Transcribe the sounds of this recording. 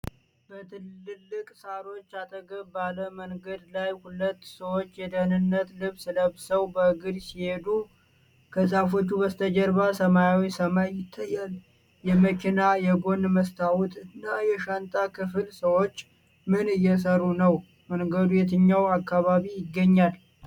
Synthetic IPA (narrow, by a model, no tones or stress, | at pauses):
bət̪ʰɨlːɨlːɨkʼsaɾo̞t͡ʃːat̪ʼəɡəbaləməŋɡəd̪lajhulət̪ːsəwot͡ʃːjɛd̪ənɨnːət̪lɨβsɨləβsəwbəɡɨd̪sihe̞d̪u | kʰəsʼafo̞t͡ʃːubəst̪ʰəd͡ʒɛɾβasəmajawisəmajɪt̪ʰːajːal | jɛməkʰinajɛbo̞nməst̪ʰawut̪ʼɨnːajɛʃant̪ʼakʰɨfɨlsəwo̞t͡ʃː | mɨnɨjːɛs̬ərːunəw | məŋɡəd̪ujɛt̪ʰɨɲːawakːaβaβijɪɡːəɲːal